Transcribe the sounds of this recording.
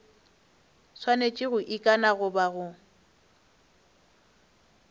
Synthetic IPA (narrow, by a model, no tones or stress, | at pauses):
swanet͡ʃʼɪɣʊʔikʼanaɣʊbaɣʊ